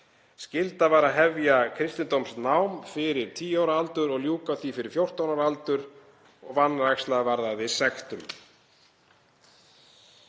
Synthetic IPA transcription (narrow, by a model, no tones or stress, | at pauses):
scɪlt̪avaɾaðɦɛvjakʰɾɪst̪ɪnt̪owmsnawmfɪɾɪɾ̥t̪ʰiːawɾalt̪ʏɾɔɣljuːkaθifɪɾɪɾ̥fjowr̥t̪awnaɾalt̪ʏɾ | ɔɣvanːɾajkslaðvaɾðaðɪsɛxt̪ʏm